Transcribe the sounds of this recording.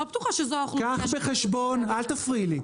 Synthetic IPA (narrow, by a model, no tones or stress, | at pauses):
obet̪uχaʃezoaχlkaχbeχeʃbonalt̪afʁili